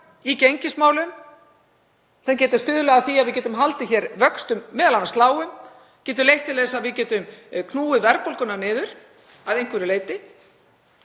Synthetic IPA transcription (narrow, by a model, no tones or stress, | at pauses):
icejɲcɪsmaːwlʏn | sɛmcɛːt̪ɪst̪ʏːðʏlɛɣaθiaðvɪðcɛːt̪ʏmɦalt̪ɪçɛɾvœkst̪ʏmːɛːðalanast̪laːwʏm | cɛːt̪̬ʏlejht̪ʰːɪlɛːsaðvɪðcɛːt̪ʏmkʰnuːɪvɛɾpolkʏnaɾnɪːðʏɾ̥ | aðejŋ̥kvɛɾɪlejt̪ɪ